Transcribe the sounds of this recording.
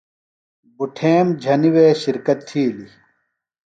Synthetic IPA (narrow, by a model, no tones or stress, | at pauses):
buʈʰeːmd͡ʑʱɐniweːɕiɾkɐt̪ʰːiːli